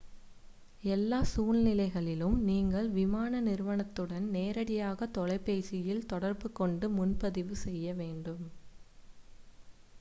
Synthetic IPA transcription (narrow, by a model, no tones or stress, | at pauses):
ɛlːaːsuːɭnɪlɐɪɣɐɭɪlɯmniːŋɡɐɭʋɪmaːnɐnɪɾɯʋɐɳɐt̪ːɯɽɐnneːɾɐɽɪjaːɣɐt̪ːɔlɐɪpːeːsɪjɪlt̪ɔɽɐɾbɯkːɔɳɖɯmʊnpɐðɪʋɯsɛjːɐʋeːɳɖɯm